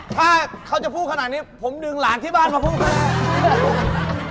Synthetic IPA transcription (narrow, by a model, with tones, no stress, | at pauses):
t̪ʰaː˥˩kʰa˦˥˩t͡ɕa˨˩pʰuː˥˩a˧naː˨˩t̪̚niː˦˥pʰo˩˦mdɯ˧ŋlaː˨˦ŋt̪ʰiː˥˩baː˥˩nmaː˧pʰuː˥˩kʰa˧naː˧˥˩